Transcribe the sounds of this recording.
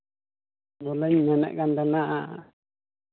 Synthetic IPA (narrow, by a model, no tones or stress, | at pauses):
dolaɲãnã̰ʔkand̪anãʔã